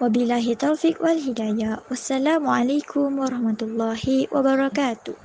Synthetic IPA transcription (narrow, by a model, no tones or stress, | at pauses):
wabilːaːɦit̪ːawfikwalɦidajawasːalaːmuʔalajkʰʊmwaɾˤɑhmat̪ʊlˤːɑːhiwʔa̰baɾˤɑkaːt̪ʊh